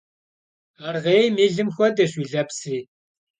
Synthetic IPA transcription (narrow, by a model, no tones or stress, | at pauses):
arʁejmiːɮɨmxʷɔdɐɕiɮɐpsiː